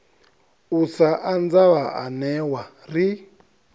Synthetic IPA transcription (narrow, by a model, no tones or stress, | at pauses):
usaʔand͡zaβaʔanɛwa | ri